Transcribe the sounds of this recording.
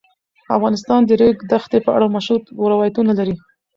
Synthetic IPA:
afɣɑnɪs̬t̪ɑnd̪əɾeɡd̪axt̪epəʔa̰ɽamaʃut̪oɾawɑjat̪unalaɾi

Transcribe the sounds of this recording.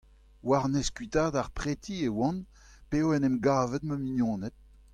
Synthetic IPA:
waʁnɛskɥit̪aːdaʁpʁet̪ʰiewɑ̃n | peoɛnɛmɡaːvɛt̪məmiɲjɔ̃ːnɛt̪̚

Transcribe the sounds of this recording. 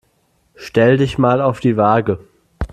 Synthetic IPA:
ʃtɛlədɪçmaːlaʊfd̥iːvaːɡə

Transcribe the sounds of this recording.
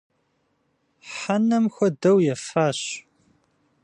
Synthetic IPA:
ħanɐmxʷɐdɐwjɛfaːɕ

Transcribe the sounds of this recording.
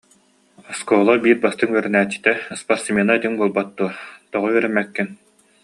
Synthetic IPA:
ɔskɔːlˠɔbiːɾbast̪ɯŋyɛɾɛnæːt͡ɕːi̥t̪ɛspaɾsmeːnait̪iŋbuɔlˠbat̪ːuɔt̪ɔʁɔɥɛɾɛmːɛkːin

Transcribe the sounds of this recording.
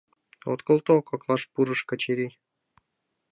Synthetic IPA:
o̰t̪kŏlˠt̪okɑklˠɑʃpuɾɤ̆ʃkə̆t͡ɕeɾʲi

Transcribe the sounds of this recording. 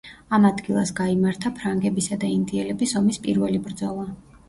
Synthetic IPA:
amad̪ɡilˠasɡaimaɾt̪ʰapʰɾaŋɡɛbisad̪aind̪iɛlɛbisɔmispʼḭɾvɛlibɾd̪zɔlˠa

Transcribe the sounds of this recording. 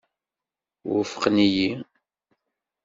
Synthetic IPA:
wə̰fə̥qniji

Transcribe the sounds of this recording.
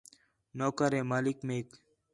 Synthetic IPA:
noːkəɾeːmaːlikmeːk

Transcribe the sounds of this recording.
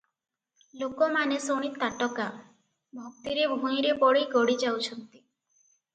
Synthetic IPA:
lokɔmanesoɽ̃it̪aʈɔka | bʱɔk̚t̪iɾebʱũj̃ɾebɔɽiɡɔɽid͡ʒawt͡ʃʰɔnt̪i̥

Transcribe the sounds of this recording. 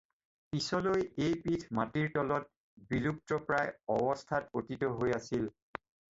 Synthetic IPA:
pisɔlojejpitʰmatiɹtɔlɔt̚ | bilup̚tɔpɹajɔbɔstʰatotitɔɦojasil

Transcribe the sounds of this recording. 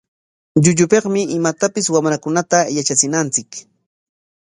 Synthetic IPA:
ʎʊʎʊpeqmɪʔɪmat̪apɪswamɾakʊnat̪ajat͡ʃat͡sɪnant͡sɪk

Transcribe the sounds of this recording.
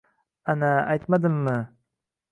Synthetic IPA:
anaajt̪mad̪ɪmmɪ

